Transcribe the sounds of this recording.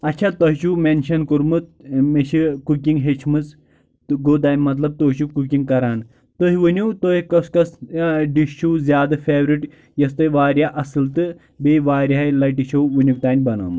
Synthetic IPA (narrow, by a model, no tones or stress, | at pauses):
ɐtːɕʰat̪ɐɦʃuːmenɕɐnkuɾmɨt̪̚meɕikukiŋɡɦet͡ʃʰmɨt͡s | ɡoːd̪aːnʲmɐt̪lɐb̚t̪oʃukukʲiŋɡkɐɾaːn | t̪oɦiʋunut̪oɦikɐskɐsɖiʃʃuːzʲaːd̪ɐfeːʋɾiʈ | jɐst̪ɐjʋaːɾʲjaʔɐsɨlt̪ɨ | beʋaːɾajlɐʈiɕowʋunʲukt̪aːnʲbɐna̰ːmɨ